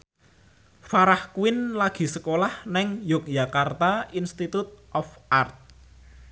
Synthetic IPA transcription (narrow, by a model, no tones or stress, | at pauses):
faɾahkuwɪnlaɡ̥i̤səkolahnɛŋjɔk̚jakart̪ainst̪it̪ʊt̪̚ʔɔfʔart̪̚